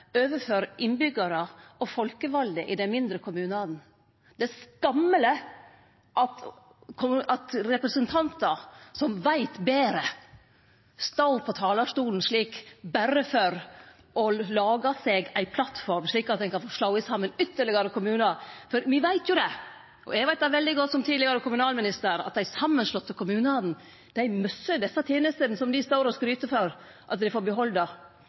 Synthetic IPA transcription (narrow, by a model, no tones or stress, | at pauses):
øːʋəɾføːɾʔɪnbʏɡɑɾəɔfɔlkəʋɑld̪əʔɪd̪ɛnmɪnd̪ɾəkʰʊmʉːnɑd̪n̩ | d̪̥ɛskɑmːələ | ʔɑt̪ | kʰʊɑt̪ɾɛpɾəsənt̪ʰɑnt̪ɑsɔmʋæɪt̪beːɾə | st̪ɑʊpʰɔt̪ʰɑːlɑʂtuːln̩ʂɭiːkbæɾəfɔɾ | ɔlɑːɡɑsɛɡæɪpʰlɑt̪fɔɾmʂɭiːkɑt̪d̪ɛnkʰɑnfoʂlɑʊəsɑmːənʏt̪ːəɭɪɡɑɾəkʰʊmʉːnɑfɔɾʋɪʋæɪt̪ʰjʊd̪ɛ | ʔɔ̰ʔæɡʋæɪt̪d̪æʋɛld̪ɪɡɔt̪ːsɔmt̪ʰiːd̪lɪɡɑɾəkʰʊmʉnɑːlmɪnɪst̪əɾɳɑ̰t̪̚d̪æɪsɑmːənʂlɔt̪ːɔlkʊmʉːnəɑd̪n̩ | d̪̥æɪmœsːəd̪ɛsːɑt̪ʰeːnəst̪ənsɔmd̪ɪst̪oːɾɔskɾyːt̪əfɔɾ | ʔɑt̪̚d̪ɪfoːbɛɦɔld̪ɑ